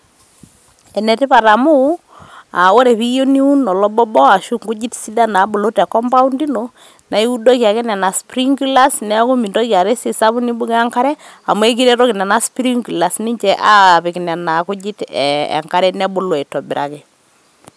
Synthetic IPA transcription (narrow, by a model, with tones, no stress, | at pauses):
ɛ˨nɛ˨ti˦pa˨ta˨mu˦ | a˨o˦ɾe˨pi˦jo˦ni˦u˦nɔ˨lɔ˦bɔ˦bɔ˦a˨ʃu˦ŋɡu˦d͡ʒi˦tsi˦da˦na˨˦bo˨lo˦tɛ˨kɔ˦mpa˦u˦ndi˦no˨ | na˨i˦u˦do˦kja˨kɛ˦nɛ˨na˨spɾi˦ŋɡu˦la˦snɛ˦ku˦mi˨ndo˦kja˨ɾe˦si˨sa˦βu˦ni˦bu˦ka˦ŋka˦ɾɛ˦a̰˨mwe˦k̬i˦ɾe˦tɔ˦ki˨nɛ˨na˦spɾi˦ŋɡu˨la˨sni˦ɲt͡ʃɛ˨ʔa˦˨pɪ˨kna˨na˨ku˦d͡ʒi˦tːŋka˦ɾɛ˦nɛ˦bo˦lwɛ˨tɔ˨bɪ˨ɾa̰˨kɛ˨